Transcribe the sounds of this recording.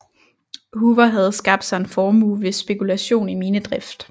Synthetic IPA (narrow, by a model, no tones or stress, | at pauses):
huːʋɐɦæð̞ˠsɡ̥ɑ̈b̥d̥sɑ̈e̝nfɒːmuːʋe̝sb̥e̝kʰulæɕo̝̰ːnimiːnəd̥ʁɛfd̥